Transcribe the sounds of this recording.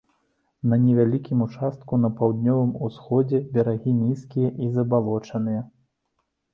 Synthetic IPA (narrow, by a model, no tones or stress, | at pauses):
nɐnʲɛvʲalʲikʲimut͡ʂast̪̚kunɐpawd̪nʲɔvɨmusxɔd͡zʲɛbʲɛɾaɣʲinʲiskʲijɐʔizɐbalˠɔt͡ʂɐnɨjɐ